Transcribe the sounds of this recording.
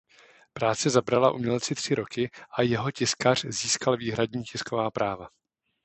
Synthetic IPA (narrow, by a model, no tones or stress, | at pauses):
pɾaːt͡sɛzabɾalaʔṵmɲɛltt͡sɪt̪r̝̥ɪɾo̞kɪʔajɛɦo̞cɪskar̝̥ziːskalviːɦɾadɲiːcɪsko̞vaːpɾaːva